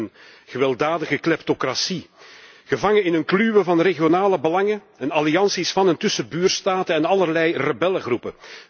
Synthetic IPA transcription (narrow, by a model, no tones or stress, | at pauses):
n | ɣəʋɛlˠdaːdəɣəklɛptokrasi | ɣəvɑŋəɪnɦənklyʋəvɑnreɣijonaːləbəlɑŋə | ɛnɑliɑnsisfɑnəntɵsəbyːrstaːtəɛnɑlˠərlɛjrəbɛləɣrupə